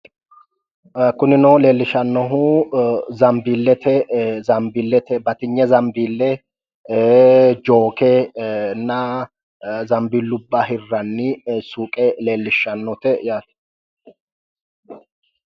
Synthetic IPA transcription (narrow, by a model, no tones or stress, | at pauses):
kʊnɪnɔle̞ːlːɪʃɐnːɔɦu | zɐmbiːlːɛt̪ʰɛzɐmbilːɛt̪ɛbɐt̪ɪɲːɛzɐmbiːlːɛ | d͡ʒoːkɛnːɐ | zɐmbilːʊbːɐhɪrːɐnːɪsuːkʼɛle̞ːlːɪʃɐnːɔt̪ɛjaːt̪ɛ̥